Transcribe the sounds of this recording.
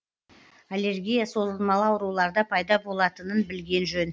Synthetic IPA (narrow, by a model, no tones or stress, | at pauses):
ale̞ɾɡʲijaso̞zəlˠmɑlˠəɑwəɾulˠɑɾd̪ɑpʰɑjd̪ɑbo̞lˠɑt̪ənənbɪlɡʲe̞nʒɵn